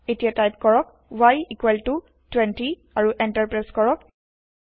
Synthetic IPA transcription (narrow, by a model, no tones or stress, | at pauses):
etijatajpkɔɹɔk̚ | wajikwɛltu | twɛ̃nti | aɹuʔɛntaɹpɹaskɔɹɔk̚